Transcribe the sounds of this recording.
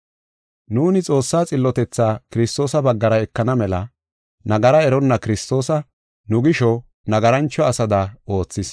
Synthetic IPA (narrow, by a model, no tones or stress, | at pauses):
nuːnɪt͡sʼo̞ːsːaːt͡sʼɪlːɔt̪ɛt͡sːaːkɪɾɪst̪o̞ːsɐbɐɡːɐɾɐɛkːɐnɐmɛlɐ | nɐɡɐɾɐɛɾɔnːɐkɪɾɪst̪o̞ːsɐ | nʊɡɪʃɔ | nɐɡɐɾɐnt͡ʃːɔɐsɐd̪ɐo̞ːt͡sːɪs